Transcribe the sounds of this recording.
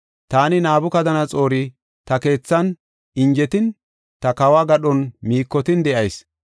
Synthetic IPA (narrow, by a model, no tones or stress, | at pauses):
t̪aːnɪnaːbʊkɐd̪ɐnɐt͡sʼo̞ːɾɪ | t̪ɐke̞ːt͡sːɐn | ɪnd͡ʒɛt̪ɪn | t̪ɐkɐwaːɡɐɗɔnmiːkːɔt̪ɪnd̪ɛʔɐjs